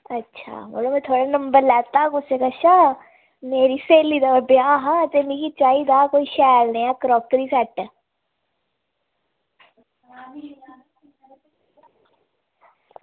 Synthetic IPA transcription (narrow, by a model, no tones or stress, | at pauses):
ətːʃʰa̰ːmo̰ːlõːmɛ̃ːt̪ʰoːɽaːnəmbəɾlɛːt̪aːkʊseːkaːʃaː | meːɾiːseːliːd̪aːəbɪjaːɦãːt̪eːmĩːkit͡ʃaːiːd̪aːkoːiːʃɛːlnẽːaːkəɾɔːkɾiːsɛʈ